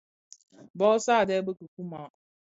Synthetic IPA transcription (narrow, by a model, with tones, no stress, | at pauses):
bɔ˦saː˦˨dɛ˦bə˦kɨ˨ku˦ma˨˦